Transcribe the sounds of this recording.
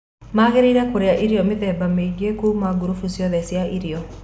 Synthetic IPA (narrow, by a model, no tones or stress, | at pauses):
maɣeɾiɾɛkoɾeaʔiɾiɔmɪðɛbamed͡ʒekumaɡuɾufusjɔðɛsjaʔiɾiɔ